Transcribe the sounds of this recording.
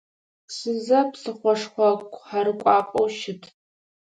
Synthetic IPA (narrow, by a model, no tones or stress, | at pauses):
sɨzɐpsɨχʷɔʂχʷɐkʷʼħaɾɨkʷʼɑːqʼowʃɪtʰ